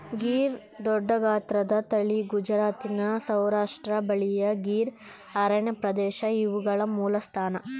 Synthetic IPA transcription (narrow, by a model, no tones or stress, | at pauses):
ɡiːɾ | d̪ɔɖːɐɡaːt̪ɾɐd̪ɐt̪ɐɭiɡud͡ʒɐɾaːt̪inɐsɐwɾaːʂʈɾɐbɐɭijɐɡiːɾ | ɐɾɐɳepɾɐd̪ɛːʃɐiʋuɡɐɭɐmuːlɐst̪ʰaːnɐ